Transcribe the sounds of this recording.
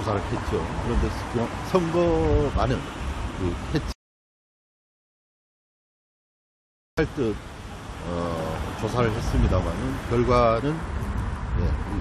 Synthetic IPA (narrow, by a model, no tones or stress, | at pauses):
osʰaɾɯɭɦe̞t̚t͡ɕ͈okɯɾʌnde̞kɯsʰʌŋɡʌmanɯnkɯhet̚t͡ɕ͈ | pʰaɭt͈ɯ | ʌt͡ɕosʰaɾɯɭhe̞s͈ɯmɲidamanɯnkjʌɭɡwanɯn | je̞i